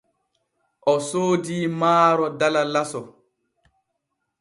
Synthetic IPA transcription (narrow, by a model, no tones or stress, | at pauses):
ʔɔsoːdiːmaːɾɔdalalasɔ